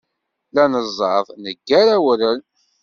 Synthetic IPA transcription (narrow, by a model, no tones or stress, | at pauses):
lænəzˤːɑðˤnəɡːæɾæwəɾən